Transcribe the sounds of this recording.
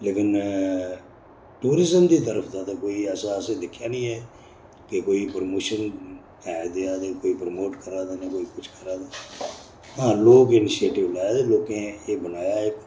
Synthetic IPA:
leːkɪn | ʈuːɾɪzəmd̪iːt̪̬əɾəpʰd̪aːt̪aːkoːiːɛːsaːsẽːd̪ɪkʰjaːnĩːɦɛː | kekoːiːpəɾmoːʃən | ɛːd̪eaːd̪eːkoːiːpɾmoːʈkəɾaːd̪aːneːkoːiːkʊt͡ʃʰkəɾaːd̪aː | ɦãːloːkɪnɪʃieːʈɪʋlaːjaːd̪eːloːkẽːeːbənaːjaːɛː

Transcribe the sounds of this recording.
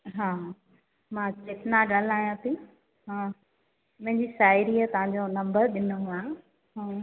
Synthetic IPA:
ɦãː | mãːt͡ɕɪt̪naɠal̤aːijãt̪ʰi | ɦãː | mɐ̃ɦɪ̃ɲd͡ʑisaːɪɾiːat̪ɐʋ̤ãɲd͡ʑonɐ̃mbəɾɗɪnoɦuã | ɦãː

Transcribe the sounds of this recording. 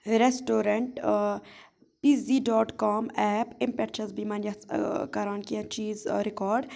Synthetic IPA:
ɾesʈoːɾɐɳʈ | piːziːɖɔːʈkɔːmɛːpɪmpɛʈt͡ʃɐzbiːmaːnjɐskɐɾaːnkiãt͡ʃiːzɾɪkɔːɾɖ

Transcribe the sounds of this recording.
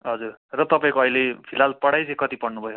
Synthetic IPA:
ɦʌd͡zurrʌt̪ʌpaĩkoʌjlepʰilalpʌɽajt͡sʌ̃j̃kʌt̪ipʌɽnubʱʌjo

